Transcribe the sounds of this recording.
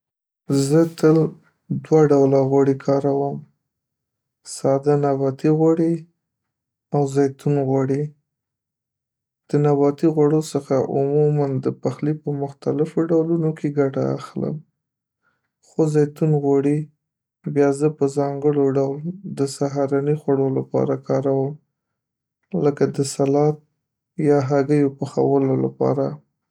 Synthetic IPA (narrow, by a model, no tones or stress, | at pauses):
zət̪əl | d̪waɖawlaɣwaɽikʰɑɾawəm | sɑd̪anabɑt̪iɣwaɽi | awzɑjt̪unɣwaɽi | d̪̥ənabɑt̪iɣwaɽosəxaʔʊmumand̪əpaxlipəmʊxt̪alɪfoɖawlunokʰeɡaʈa̰ːxlə̰m | xozajt̪unɣwaɽi | bjɑzəpəzɑŋɡəɽoɖawld̪əsaɦɑɾɑnixwaɽolapɑ̰ɾakɑɾawəm | ləkad̪əsalɑt̪̚ | jɑɦaɡəjopəxa̰wəlola̰pɑ̰ɾa